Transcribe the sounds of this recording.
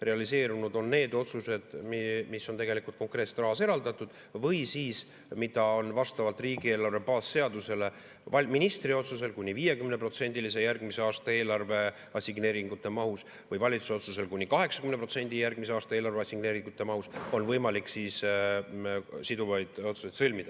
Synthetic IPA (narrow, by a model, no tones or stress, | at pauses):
re̞ɑlise̞ːɾunud̪o̞nːe̞ːd̪o̞t̪suse̞d̪̥mmisːo̞nt̪e̞ɡe̞likult̪̚ko̞ŋkre̞ːt̪se̥t̪rɑɦɑseɾɑld̪̥ɑt̪ːˑud̪̥ | vɤjsiːs | mid̪̥ɑo̞nvɑst̪ɑvɑlt̪ːˑriːɡie̞ːlɑrvepɑːsːe̞ɑd̪use̞le̞ | vɑminist̪ɾio̞t̪sus̬e̞lkunʲːiviːje̞kymnepro̞t̪se̞nʲd̪ilise̞jærɡ̥mise̞ɑːst̪ɑe̞ːlɑrve̞ | ɑsʲiɡne̞ːɾiŋɡ̥ut̪ːˑe̞mɑhus | vɤjvɑlʲit̪suso̞t̪suse̞lkunʲːikɑɦe̞ksɑ̥kymnepro̞t̪se̞nʲd̪̥ʲijærɡ̥miseɑːst̪ɑeːlɑrveɑsʲiɡ̥ne̞ːɾiŋɡ̥ut̪ːˑe̞mɑhuso̞nvɤjmɑliksiːs | sid̪uvɑjd̪̥o̞t̪su̥sejd̪sɤlʲmid̪̥ɑ